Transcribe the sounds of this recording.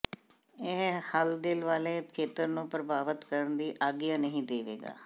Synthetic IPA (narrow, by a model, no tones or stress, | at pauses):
ɪɦhəld̪ɪlʋaːleːkʰeːt̪əɾnũːpɾəbaːʋət̪kəɾənd̪iːʔaːɡɪjaːnəɦĩːd̪eːʋḛːɡa̰ː